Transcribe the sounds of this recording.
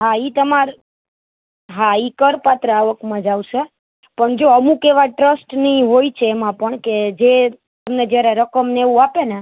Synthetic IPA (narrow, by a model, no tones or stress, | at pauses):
ɦait̪əmaɾ | ɦaikəɾpat̪ɾəaʋəkmãd͡ʒaʋʃe | pəɳd͡ʒoəmukeʋaʈɾəsʈnəĩɦojt͡ʃʰeːmãpəɳked͡ʒe | t̪əmned͡ʒjaɾeɾəkəmneʋũapene